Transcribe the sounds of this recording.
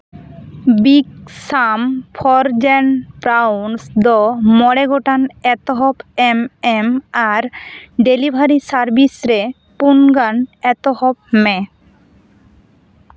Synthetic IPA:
biksampʰɔɾd͡ʑɛnpɾawnsd̪ɔmɔɽeɡoʈanɛt̪oɦɔpememaɾɖelibʱaɾisaɾbisɾe | punɡanɛt̪ohɔp̚mɛ

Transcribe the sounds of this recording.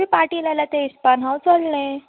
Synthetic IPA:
iːpaʈiːlalat̪eispanɦawt͡solɳe

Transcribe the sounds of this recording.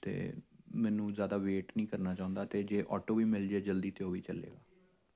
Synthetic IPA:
t̪ḛːmɛ̃ːnũːzjaːd̪aːʋeːʈnĩːkəɾnaːt͡ʃaːʊ̃nd̪aːt̪eːd͡ʒeːʔɔ̰ːʈoːʋiːmɪld͡ʒeːd͡ʒəld̪iːt̪ʰeoːʋiːt͡ʃəlḛːɡaː

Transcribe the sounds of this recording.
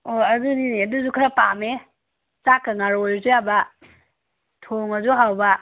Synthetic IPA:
oɐzuniniɐduzukʰɐɾapame | sakːaŋaɾojzujabɐ | tʰoŋɐzuɦawbɐ

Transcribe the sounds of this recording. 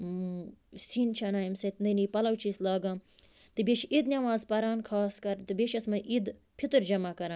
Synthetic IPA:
siːnt͡ʃʰɐnaːjimsɐt̪nd̪ɐniːpɐlɐwt͡ʃʰiːslaːɡãːm | t̪ɨbʲeʃid̪nʲɐʋaːzpɐɾaːnkʰaːskɐɾt̪ɨbʲeʃɐsmɐʔid̪ | pʰit̪ɨɾd͡ʒɐmakɐɾaːn

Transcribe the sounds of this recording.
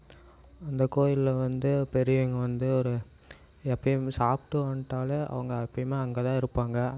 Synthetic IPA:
ɐnd̪ɐkoːjɪlɐʋɐnd̪ɯpɛɾɪjɐŋɡɐʋɐnd̪ɯɔɾɯ | ɛpːɐsaːp̚ʈːɯʋaːɳʈːaːlɐʔɐ̰ʋɐŋɡɐɐpːɐjmeːɐŋɡet̪ãːɪɾɯpːaːŋɡɐ

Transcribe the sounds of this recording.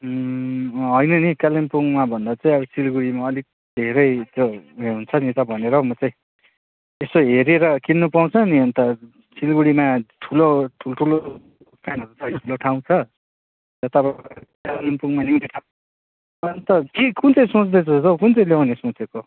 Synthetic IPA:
ɦʌjnʌnikalempuŋmabʱʌnd̪at͡saĩʌbʌt͡silɡuɽimaʌlik̚ | d̪̥ʱeɾʌjd͡zoɦeɦunt͡sʰʌnit̪ʌbʱʌneɾʌmʌt͡saĩ | esoɦeɾeɾʌkinːupaw̃t͡sʰʌniʌnt̪ʌ | t͡silɡuɽimaʈʰuloʈʰulʈʰulo | kanɦʌɾut͡saʈʰuloʈʰaw̃t͡sʰʌ | jʌt̪ʌbʌkallempuŋmanineʈʰã | nt̪ʌkikunt͡sʌĩsõt͡sd̪ʌt͡sʰʌʌt̪ʌkunt͡sʌĩlewnesõt͡seko

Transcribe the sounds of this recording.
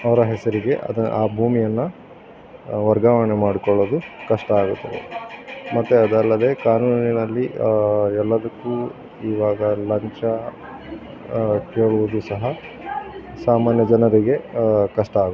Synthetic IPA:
ɐʋɐɾɐɦɛsɐɾiɡe̞ʔɐ̰d̪ɐaːbʱuːmijɐnːɐ | ʋɐɾɡaːʋɐɳemaːɽikɔɭoːd̪ukɐʂʈɐaːɡut̪ːɐd̪e̞̰mɐt̪ːuɐd̪ɐlːɐd̪e̞ːkaːnuːninɐlːi | ɛlːɐd̪ɐkːuː | iːʋaːɡɐlɐɲt͡ʃɐ | keːɭuʋod̪usɐɦɐ | saːmaːnjɐd͡ʒɐnɐɾiɡe̞kɐʂʈɐaːɡ

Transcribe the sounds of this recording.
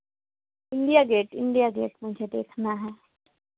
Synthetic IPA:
ɪ̃ɳɖijaːɡeːʈɪ̃ɳɖijaːɡḛːʈmʊd͡ʒʱed̪ḛːkʰnaɦɛː

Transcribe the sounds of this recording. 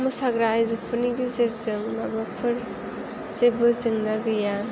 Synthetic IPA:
musaɡɾajzɯpʰɯɾniɡizeɾzɯŋmabapʰɯɾ | z̥ebɯzɯŋnaɡɯja

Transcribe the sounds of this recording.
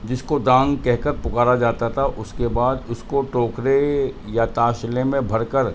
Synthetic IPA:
d͡ʒɪskod̪ãːŋɡkɛɦkəɾpʊkaːɾad͡ʒaːt̪at̪ʰaʔʊskebaːd̪ʊskoʈoːkɾejat̪aːʃlemẽbʱɐɾkəɾ

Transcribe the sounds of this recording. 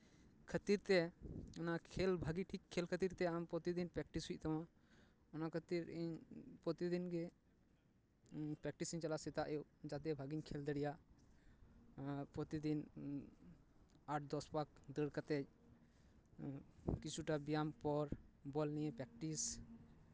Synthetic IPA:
kʰət̪iɾt̪ɛɔnakʰɛlbʱaɡiʈʰikʰːɛlkʰət̪iɾt̪ɛampɔt̪id̪inpɾɛk̚ʈisɦujc̚t̪awã | ɔnakʰət̪iɾiɲpɾɔt̪id̪inɡɛ | pɾɛk̚ʈisiɲt͡ʃalasɛt̪aʔɛd͡ʒat̪ɛbʱaɡiɲkʰɛld̪əɽijaʔ | pɾɔt̪id̪in | aʈ̚ʰd̪ɔspak̚d̪əɽkat̪ɛt͡ʃ̚ | kit͡ʃʰuʈabijampɔɾbɔlnijɛpɾɛk̚ʈis

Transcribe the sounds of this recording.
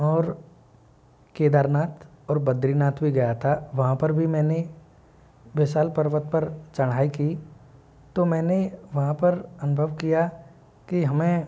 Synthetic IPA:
ɔːɾ | keːd̪aːɾnaːt̪ʰ | ɔːɾbɐd̪ɾinaːt̪ʰbʱiɡɐjat̪ʰaʋɐɦãpɐɾbʱimɛ̃ːne | beːsaːlpɐɾʋət̪pɐɾt͡ʃɐɽ̤̃ɦaːikiː | t̪omɛ̃ːneʋɐɦãpɐɾɐnʊbʱəʋkija | kiɦɐmẽ

